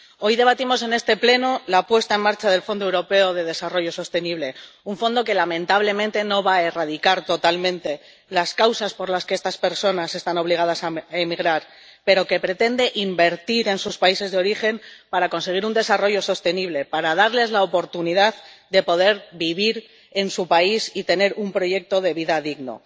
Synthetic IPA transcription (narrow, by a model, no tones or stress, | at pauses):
o̞jðe̞βat̪imo̞se̞ne̞st̪e̞ple̞nolapwe̞st̪ae̞maɾt͡ʃaðe̞lfo̞nd̪owɾo̞pe̞oðe̞ð̞e̞saro̞ʝo̞so̞st̪e̞niβ̞le̞uɱfo̞nd̪o̞ke̞lamẽ̞nt̪aβ̞le̞mẽnt̪e̞no̞βae̞rað̞ikaɾt̪o̞t̪almẽ̞nt̪e̞ | laskawsaspo̞ɾlaske̞est̪aspe̞ɾso̞nase̞st̪ano̞β̞liɣ̞að̞asaemiɣɾaɾ | pe̞ɾo̞ke̞pɾe̞t̪e̞nd̪e̞ʔimbe̞ɾt̪iɾe̞nsuspaise̞zðeo̞ɾixe̞mpaɾako̞nse̞ɣ̞iɾund̪e̞saro̞ʝo̞so̞st̪e̞niβ̞le̞paɾaðaɾle̞zlaopo̞ɾt̪uniðaðd̪e̞po̞ð̞e̞ɾbiβiɾ | e̞nsupaisit̪e̞ne̞ɾumpɾo̞ʝe̞k̚t̪o̞ð̞e̞β̞iðaðiɣno̞̰